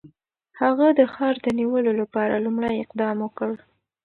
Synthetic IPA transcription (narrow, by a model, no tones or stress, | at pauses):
haɣad̪əxɑɾd̪əniwəlolapɑɾalumɽajɪqd̪ɑmwəkəɽ